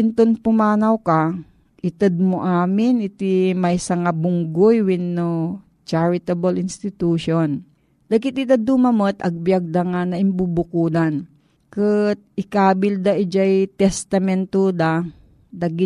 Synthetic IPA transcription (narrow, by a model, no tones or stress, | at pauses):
ɪnt̪onpʊmaːnɐwkɐ | ʔɪt̪ɛd̪̚moʔaːmɪnɪt̪imɐjsɐŋabʊŋɡojwɪnːo | t͡ʃaɹɪt̪ɐbɐlɪnst̪ɪt̪uːʃon | d̪ɐɡɪt̪ɪt̪ɐd̪umɐmot̪ɐɡ̚bjɐɡ̚d̪ɐŋanɐʔɪmbubʊkuːd̪an | kɨt̪̚ɪkaːbɪld̪ɐʔɪd͡ʒajt̪ɛst̪ɐmɛnt̪ud̪a | d̪ɐɡɪ